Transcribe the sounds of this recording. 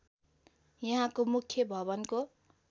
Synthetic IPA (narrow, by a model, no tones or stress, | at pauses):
jʌɦãkomukʰjʌbʱʌbʌnko